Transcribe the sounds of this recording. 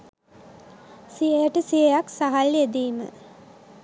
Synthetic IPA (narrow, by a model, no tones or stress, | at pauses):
sijəjəʈəsijəjaksaɦaljed̪iːmə̰